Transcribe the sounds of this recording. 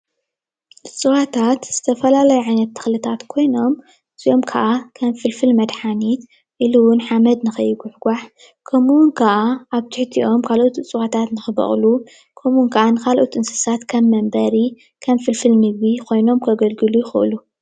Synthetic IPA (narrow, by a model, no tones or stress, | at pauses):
t͡sʼɨwat̪ʰat̪z̥ɨt̪ʰɐfɐlalɐjuʕajnɐt̪ʰːɨ̥xlɨt̪ʰat̪kʰo̞jno̞m | ɨzio̞mkʰɐʔakʰɐmfɨlfɨlmɐd̪ħanit̪ | ʔiluwʊnħamɐd̪nɨxɨjɡʊħɡʷaħ | kʰɐmuwʊnkʰaʔaʔaβt̪ʰɨħt̪ʰiʔo̞mkʰalʔot̪ɨt͡sʼɨwat̪ʰat̪nɨxɨβɐ̰χʼlu | kʰɐmnkʰɐʔanɨkʰalʔot̪ɨnsɨ̥sat̪kʰɐmːɐmbɐɾi | kʰɐmfɨlfɨlnɨɡβikʰo̞jno̞mkʰɐɡɐlɡɨlujɪxɨʔɨ̰lu